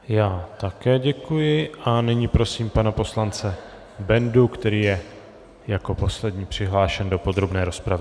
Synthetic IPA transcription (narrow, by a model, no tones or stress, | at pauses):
jaːt̪akɛːɟɛkujɪʔanɪɲipɾo̞siːmpanapo̞slant͡sɛ | bɛndukt̪ɛɾiːjɛ | jako̞po̞slɛdɲiːpr̝̥ɪɦlaːʃɛndo̞po̞d̪ɾo̞bnɛːɾo̞spɾavɪ